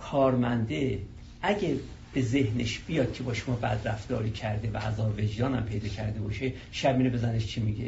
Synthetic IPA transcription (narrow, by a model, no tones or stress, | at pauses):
kʰɒːɾmænd̪e | ʔæɟæ | b̥e̞zehneʃb̥ijɒːd̪̚cʲʰe̞bɒːʃomɒːbæ̰d̪ɾæfd̪̥ɒ̰ːɾiːcʰæɾd̪evææzɒːbved͡ʒd̪ɒːnæmpʰe̞jd̪ɒːcʰæɾd̪e̞bɒːʃe | ʃæbiːnebezæneʃt͡ʃʰimiɟe